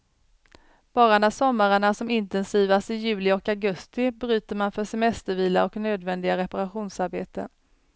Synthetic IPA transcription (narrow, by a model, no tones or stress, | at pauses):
b̥ɑːɾanæsɔmːaɾəɳasɔmɪnt̪ɛnsiːvast̪ɪjʉ̟ːlɪɔkaɡɵst̪ɪbɾy̟ːt̪əɾmanfœʂɛmɛst̪əɾviːla̰ɔknøːd̪vɛnd̪ɪɡaɾɛpaɾaɧuːnsaɾbḛːt̪ə̰